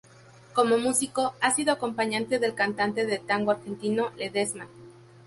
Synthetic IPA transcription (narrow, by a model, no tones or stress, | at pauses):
ko̞mo̞musiko̞asiðoako̞mpaɲãnt̪e̞ðe̞lkant̪ant̪e̞ðe̞t̪aŋɡoaɾxe̞nt̪ino̞leðesma